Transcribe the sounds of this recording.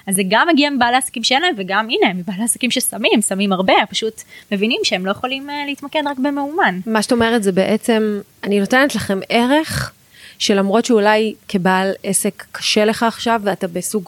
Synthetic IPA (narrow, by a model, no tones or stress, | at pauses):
azːeɡamːeɡiamibaːleasḁkimʃeenaeɱveɡaminemibaːleasakimʃesamimsamimaʁbe̞paʃutme̞vinimʃeemlo̞jeχo̞limleitmakedʁakbemeumanmaʃḁtaomeʁetzebeʔet͡se̞m | anino̞tenet̪laχe̞mʔeʁe̞χ | ʃe̞lamʁo̞tʃeulajkibalese̞kːḁʃele̞χaːχʃavːeatabesuɡ